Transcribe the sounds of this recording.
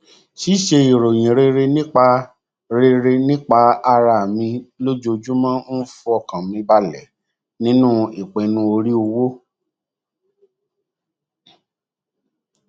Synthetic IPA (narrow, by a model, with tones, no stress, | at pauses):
ʃi˦˨ʃe˧i˨ɾo˨j̃ĩ˨ɾe˦˧ɾe˧nĩ˦k͡pa˧ | ɾe˧ɾe˧nĩ˦k͡pa˧a˧ɾa˧˨mĩ˧lo˦d͡ʒo˧d͡ʒu˦mã˦n̩˦fu˧˦ɔ˧˨kã˨mĩ˧ba˧lɛ˨ | nĩ˦nũ˦i˨k͡pẽ˨˧nũ˧˦o˧ɾi˦o˧wo˦